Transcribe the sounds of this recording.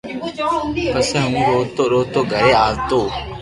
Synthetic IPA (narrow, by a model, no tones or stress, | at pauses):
pəsɛ̃ːɦũːɾoːt̪oːɾoːt̪oːɡʱəɾeːaːlt̪oː